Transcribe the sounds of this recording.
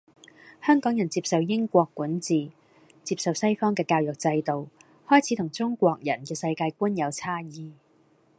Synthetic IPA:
hœː˥ŋkɔː˨˥ŋjɐ˨˩nt͡siː˧p̚sɐ˨˧wjɪ˥ŋkʷɔː˧kːuː˨˥nt͡siː˨ | t͡siː˧p̚sɐ˨wsɐ˥jfɔː˥ŋkɛː˧kaː˧wjɔ˨k̚t͡sɐ˧jt̪o˨w | hɔː˥jt͡sʰiː˨˥t̪ʰʊ˨˩ŋt͡sʊ˥ŋkʷɔː˧k̚jɐ̰˨˩nkɛː˧sɐ˧jkaː˧jkuː˥njɐ˨˧wt͡sʰaː˥jiː˨˧

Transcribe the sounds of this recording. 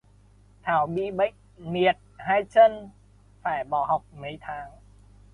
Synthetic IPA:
t̪ʰaː˨˩˦wɓi˧ɓə˨˦˥jk̚mi˨˩ət̪̚haː˧jt͡ɕəː˧n | faː˧˩jɓɔː˧˩ɦɔ˨˩wk͡p̚mə˨˦jt̪ʰaː˨˦ŋ

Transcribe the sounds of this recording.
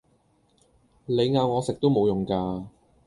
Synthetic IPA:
le˨˧jŋaː˨˧wŋɔː˨˧sɪ˨k̚t̪o˥wmo˨˧wjʊ˨˩ŋkaː˧

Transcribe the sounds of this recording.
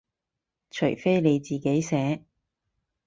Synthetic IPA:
t͡ʃʰɵ˨˩ɥfe˥jle˨˧jt͡siː˨˩ke˨˥jsɛː˨˥

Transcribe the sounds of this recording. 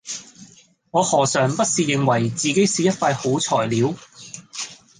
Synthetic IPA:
ŋɔː˨˧hɔː˨˩sœː˨ŋpɐ˥t̚siː˨˧jɪ˨˧ŋwɐ˨˩jt͡siː˨ke˨˥jsiː˨jɐ˥t̚faː˧jho˨˥wt͡sʰɔː˨˩jliː˨˧w

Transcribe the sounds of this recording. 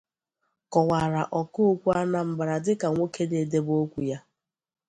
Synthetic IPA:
kɔ˨wa˨ɾa˨ʔɔ˨ko˦o˦kʷu˦a˦na˨m̩˨ba˨ɾa˨dɪ˦ka˨ŋʷo˦ke˦ne˨de˦bo˦kʷu˨ja˦

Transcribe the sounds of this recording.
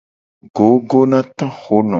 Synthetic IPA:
ɡo˨˦ɡo˦nã˦t̪ɔ̃˦xo˦nɔ̰̃˨

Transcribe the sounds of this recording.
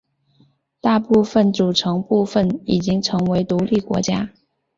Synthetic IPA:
t̪a˥˧pu˥˧fə˥˩nʈ͡ʂu˨˩ʈ͡ʂʰɤ˧˥ŋpu˥˧fə˥˩ni˨˩t͡ɕi˥ŋʈ͡ʂʰɤ˧˥ŋwe˧˥ɪt̪u˧˥li˥˩kwɔ̰˧˥t͡ɕja˥

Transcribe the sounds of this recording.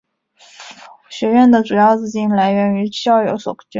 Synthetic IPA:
ɕɥɛ˧˥ɥɛ˥˩nd̪ə˩ʈ͡ʂu˨˩jɑ˥˧ʊt͡sɹ̩˥˧˩t͡ɕi˥˩nla˧˥ɪɥɛ˧˥ny˧˥jɑ˥˩ʊjo˧˥swɔ̰˨˩ʊ˥t͡ɕy˥

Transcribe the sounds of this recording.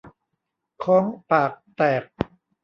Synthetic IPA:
kʰɔː˦ŋpaː˨˩k̚t̪ɛː˨˩k̚

